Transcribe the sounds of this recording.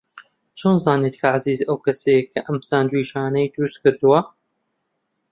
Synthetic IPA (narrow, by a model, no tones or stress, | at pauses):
t͡ʃʰoːnzɑːneːt̪kʰɐʕaziːzɐwkʰɐsekʰɐʔɐmpsaːnd̪wiːʃaːnɐjd̪ɾuːskɨɾd̪uwɐ